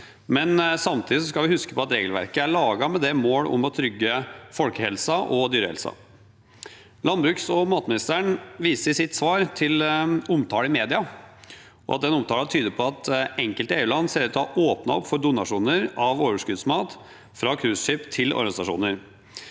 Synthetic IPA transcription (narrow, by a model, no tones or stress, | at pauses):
mɛnsɑmt̪ʰiːd̪ɪsɔskɑlʋɪhʉskə̥pʰɔɑt̪ɾeːɡəlʋæ̰ɾkəæɭɑːɡɑmɛd̪ɛmoːlɔ̰mɔt̪ʰɾʏɡːəfɔlkəhɛlsɑʔɔd̪yːɾəhɛ̰lsɑ̰ | lɑnbɾʉːksɔmɑːt̪mɪnɪst̪əɳʋiːsəsɪt̪sʋɑːɾt̪ʰɪlʊmt̪ʰɑːləɪmeːd̪ɪɑ | ʔɔ̰ʔɑt̪̚d̪ɛnʊmt̪ʰɑːlɑt̪ʰyːd̪əpʰɔɑt̪ɛŋkəlt̪əeːʉlɑnːseːɾət̪ʰɑʔoːpnɑɔpːfɔɾɖ̪ʊnɑʂuːnəɾɑʋoːʋəʂkʉd̪smɑːt̪ | fɾɑkʰɾʉːsʂʏːpt̪ʰɪlɔ̰ɾɡɑnɪsɑʂṵːnəɾ